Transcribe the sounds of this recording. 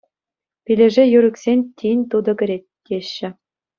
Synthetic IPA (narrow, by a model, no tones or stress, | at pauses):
pʲilʲɘ̆ʐĕjyɾɘ̆ksʲenʲt̪ʲinʲt̪ud̪ɤ̆ɡʲɘ̆ɾʲet̪̚ʲkʲeɕːɘ̆